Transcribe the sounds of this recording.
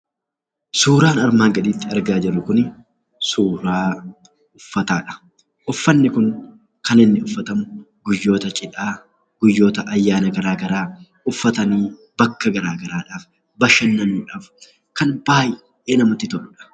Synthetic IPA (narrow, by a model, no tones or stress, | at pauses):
suːɾaːnɐɾmaːŋɡɐᶑ̪iːt̪ːɪɐɾɡaːd͡ʒɛrːʊkʊnɪ | suːɾaː | ʊfːɐt̪aːᶑɐ̥ | ʔʊfːɐnːɪkʊŋ | kɐnɪnːɪʊfːɐt̪ɐmʊ | ɡʊjːo̞ːt̪ɐt͡ʃʼɪᶑaː | ɡ̥ʊjːo̞ːt̪ɐʔɐjːaːnɐɡɐɾaːɡɐɾaː | ʊfːɐt̪ɐniː | bɐkːɐɡɐɾaːɡɐɾaːᶑaːf | bɐʃɐnːɐnuːᶑaːf | kɐnbaːj | ɛnɐmɐt̪ːɪt̪ɔʔʊᶑɐ̥